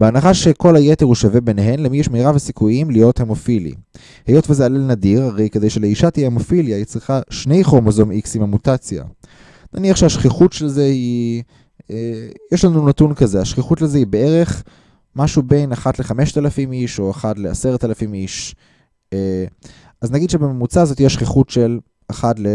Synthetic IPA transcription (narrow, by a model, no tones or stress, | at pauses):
beanaχaʃeko̞lajeteʁuʃavebeneɦenlemijeʃmeiʁavesikuimlijo̞themo̞filḭ | hejo̞tvezealelnadiʁaʁejked̪ejʃeleiʃat̪ijeemofiljait͡sʁiχaʃne̞jχoʁmozomiksimamutat͡sja̰ | naniaχʃehaʃχiχutʃelzehi | ejeʃlanunatunkazeaʃχiχutlezehibee̞ʁe̞χ | maʃube̞jnaχatleχameʃt̪alafimiʃo̞aχatle̞aseʁt̪alafimiʃ | ʔaznaɡid̪ʃebememut͡saːzot̪ijɛʃχiχutʃel | aχatle